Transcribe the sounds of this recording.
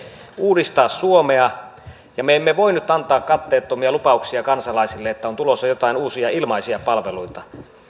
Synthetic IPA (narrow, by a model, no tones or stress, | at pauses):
uːdist̪ɑːssuomeɑ | jɑmeemːeʋoinyt̪ːɑnt̪ɑːkkɑt̪ːeːt̪ːomiɑlupɑuksiɑkɑnsɑlɑisilːeet̪ːæont̪ulosːɑjot̪ɑˑinuːsiɑilmɑisiɑpɑlʋeluit̪ɑ